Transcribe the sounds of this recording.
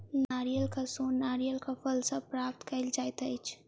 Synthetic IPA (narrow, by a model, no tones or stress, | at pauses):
naːɾijəlkasoːnnaːɾijəlkapʰəlsəpɾaːp̚t̪kəɪld͡ʒaːjt̪əjt͡ʃʰ